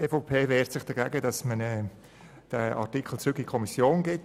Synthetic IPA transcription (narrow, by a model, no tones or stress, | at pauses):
efɔpʰeːvɛːɾtsɪχd̥əɡæɡəd̥ɑsmənɛ | d̥əɑ̰ɾtikʰl̩t͡sɾʏɡikʰɔmisjoːnɡɪt